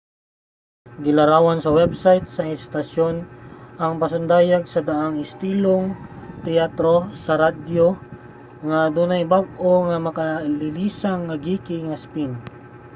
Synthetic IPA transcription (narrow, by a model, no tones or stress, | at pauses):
ɡɪlɐɾaːwɐnsɐwɛbsajt̪sɐʔɛst̪ɐʃjonʔɐŋpɐsʊnd̪aːjaɡ̚sɐd̪ɐʔaŋɪst̪iːloŋt̪ɛjat̪ɾosɐɾad̪jo | ŋɐd̪uːnɐjbaɡ̚ʔoŋɐmɐkɐlɪliːsaŋːɐɡiːkɪŋɐspin